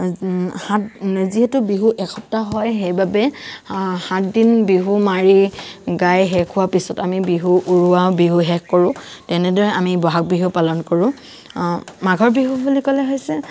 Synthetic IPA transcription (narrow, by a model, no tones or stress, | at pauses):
hatziɦɛtʊbiɦuʔɛkʰɔptaɦɔjɦejbabɛ | hatdinbiɦumaɹiɡajɦɛkʰʊwapisɔtamibiɦuʔuɹuwabiɦuɦɛkkɔɹʊ̃tɛnɛdɔɹɛamibɔɦak̚biɦupalɔnkɔɹʊ̃ | maɡʱɔɹbiɦubulikɔlɛɦojsɛ